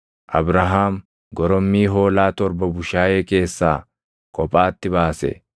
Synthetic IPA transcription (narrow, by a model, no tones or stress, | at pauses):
ʔɐbɾɐɦaːm | ɡɔɾɔmːiːɦo̞ːlaːt̪ɔɾbɐbʊʃaːjeːke̞ːsːaː | kʼɔpʼaːt̪ːɪbaːsɛ̰